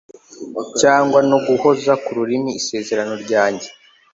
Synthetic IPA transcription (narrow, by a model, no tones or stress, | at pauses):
caːŋɡwanoɡuho̞zakuɾuɾimiise̞ːze̞ɾano̞ɾɟaːɲɟe